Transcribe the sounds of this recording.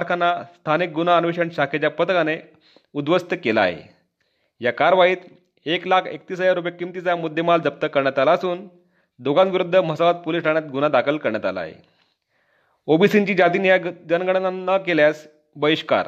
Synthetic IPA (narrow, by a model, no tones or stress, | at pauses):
aɾkʰanːast̪ʰanik̚ɡunaənʋiɕəɳɕakʰet͡ɕjapət̪əkane | ud̪ʋəst̪əkela̰ɦḛ | jakaɾʋaiːt̪ | eklakʰek̚t̪iːsəd͡ʑaɾup̬jakimt̪it͡samud̪ʱːemald͡zəp̚t̪əkəɾɳjat̪alaːsuːn | d̪oɡãnʋiɾud̪ʱːəm̤əsaʋat̪̚polisʈaɳ̃jat̪̚ɡunad̪akʰəlkəɾɳjat̪a̰la̰ɦḛ | obisiɲt͡ɕiːd͡ʑat̪̬iːnjad͡ʑənɡəɽ̃nanəkeljas | bəiɕka̰ɾ